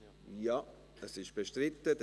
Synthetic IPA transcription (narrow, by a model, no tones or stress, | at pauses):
jɑ | ɛsɪʃb̥eʃtɾɪt̪ːəd